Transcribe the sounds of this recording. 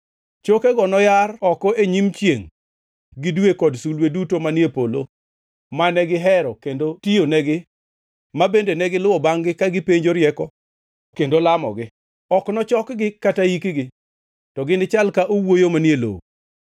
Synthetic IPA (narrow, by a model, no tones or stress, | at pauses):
t͡ʃokeɡɔnɔjarɔkɔʔeɲimt͡ʃjeŋ | ɡɪdwekɔdsulwedutomanjepolo | manɛɡɪɦɛɾɔkendotijonɛɡɪ | mabendenɛɡɪlʊwɔbaŋɡɪkaɡɪpeɲd͡ʒoɾjɛkɔ | kendolamɔ̰ɡɪ | ɔknɔt͡ʃɔkɡɪkataikiɡɪ | tɔɡɪnɪt͡ʃalkaʔowojomanjelo̰o